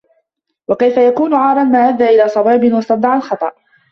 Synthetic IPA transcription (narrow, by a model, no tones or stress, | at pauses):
wakajfajakuːnʊʕɑːɾˤɑnmaːʔad̪ːaːʔɪlaːsˤɑbiːbɪnwɑst̪ɑbd̪ˤɑʕalxɑt̪ˤɑ̰ʔ